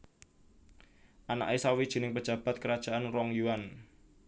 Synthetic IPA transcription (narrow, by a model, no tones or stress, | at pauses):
ʔana̰ʔesawid̥ʒ̥i̤nɪŋpəd̥ʒ̥ä̤b̥a̤t̪̚kəɾad̥ʒ̥a̤ʔanrɔŋjuwan